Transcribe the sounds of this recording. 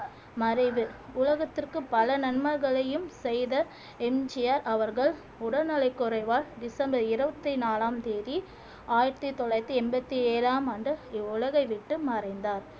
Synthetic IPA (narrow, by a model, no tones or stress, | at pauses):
mɐɾɐɪʋɯʊlɐɣɐt̪ːɪrkɯpɐlɐnɐnmɐɾɣɐɭɐjɯmsɛjðɐ | ɛmd͡ʒɪjaːɾɐʋɐɾɣɐɭ | ʊɽɐnɐlɐɪkːɔɾɐɪʋaːldɪsɐmbɐɾɪɾɯbɐt̪ːinaːlaːmt̪eːði | aːjɪɾɐt̪ːit̪ːɔɭɐɪt̪ːiɛmbɐt̪ːieːɾaːmaːɳɖɯɪʊlɐɣɐɪʋɪʈːɯmɐɾɐɪnd̪aːɾ